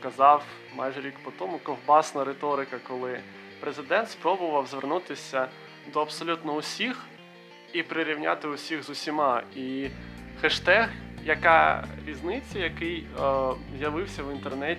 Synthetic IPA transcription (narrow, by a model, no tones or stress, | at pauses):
kɐzɑw | mɑ̰jʒɛɾʲikpɔt̪ɔmʊkɔwbɑsnɐɾet̪ɔɾɪkɐkɔlˠɪ | pɾezɪd̪ɛnt̪spɾɔbʊʋɐwzʋernut̪ɪsʲɐ | d̪ɔɐpsɔlʲut̪nɔʊsʲix | ipɾɪɾʲiwnʲa̰t̪ɪʊsʲiɣzʊsʲimɑi | xɛʃt̪ɛɣjɐkɑɾʲiznɪt͡sʲːɐjɐkɪj | zjɐʋɪwsʲɐwint̪ernɛtʲ